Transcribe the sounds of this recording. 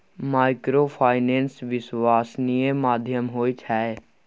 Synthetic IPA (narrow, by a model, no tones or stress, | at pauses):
maːɪkɾopʰaːɪnẽːnsʋɪswaːsnijemaːd̪ʱjəmɦoːit͡ʃʰaːe